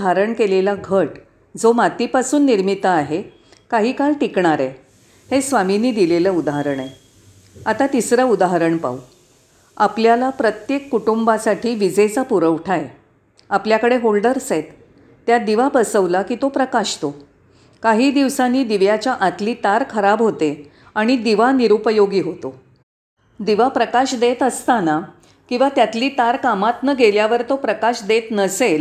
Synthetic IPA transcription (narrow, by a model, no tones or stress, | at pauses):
aɾəɳkelelaɡʱəʈ | d͡zomat̪ipasuːnːiɾmit̪əaɦe | kaɦiːkalʈikɳaɾɛ | hesʋaminiːd̪ileləːud̪aɦaɾəɳe | at̪at̪isɾəud̪aɦɾəɳpa̰u | apljalapɾət̪jekːuʈumbasaʈʰiːʋid͡zet͡sapuɾəʋʈʰae | apljakəɽeɦolɖəɾset̪ː | jad̪iʋabəsəʋlakiːt̪opɾəkaɕt̪o | kaɦiːd̪iʋsaniːd̪iʋjat͡ɕjaʔat̪liːt̪aɾkʰəɾabɦot̪e | aɽ̃id̪iʋaniɾupəjoɡiːɦot̪o | d̪iʋapɾəkaɕd̪et̪əst̪ana | kĩw̃ʋat̪jat̪liːt̪aɾkamat̪nəɡeljaʋəɾt̪opɾəkaɕd̪et̪nəsel